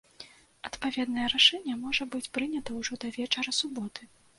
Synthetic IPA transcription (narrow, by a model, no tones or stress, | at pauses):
ɐt̪pavʲɛd̪nɐjɛɾaʂɛnʲːɛmɔʐɐbɨt͡sʲpɾɨnʲɐt̪ɐwʐɔd̪ɐvʲɛt͡ʂɐɾɐsubɔt̪ʰɨ̥